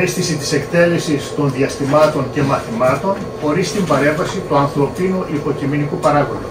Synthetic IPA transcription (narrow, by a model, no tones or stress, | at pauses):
isθisit̪i̥sekt̪e̞le̞sist̪o̞nðiɐst̪imɐt̪o̞ɲce̞mɐθimɐt̪o̞n | xo̞ɾist̪imbɐɾe̞ɱvɐsit̪uɐnθɾo̞pinuʔipo̞ciminikupɐɾɐɣonu